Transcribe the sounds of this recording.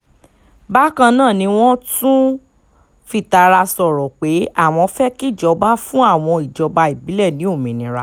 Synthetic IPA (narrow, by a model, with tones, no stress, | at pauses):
ba˦kã˧nãː˦˨nĩ˧w̃ɔ̃˦tũ˦ | fi˦˨ta˧ɾa˧sɔ˨ɾɔ˨k͡pe˨˦a˦˨w̃ɔ̃˧fɛ˦ki˦˨d͡ʒɔ˧˦ba˦fũ˦a˦˨w̃ɔ̃˧i˨d͡ʒɔ˨˧˦ba˧i˨bi˨˦lɛ˦˨nĩ˨˦o˦˨mĩ˨nĩ˨˦ɾa˦